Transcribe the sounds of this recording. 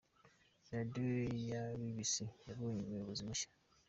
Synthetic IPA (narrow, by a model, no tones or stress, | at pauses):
jadejaβiβisijaβuɲimweβuzimaʃḁ